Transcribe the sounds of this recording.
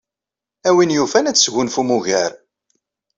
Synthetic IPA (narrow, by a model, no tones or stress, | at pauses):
æwinjufænæt͡sːsʝʊnfumuʝæɾ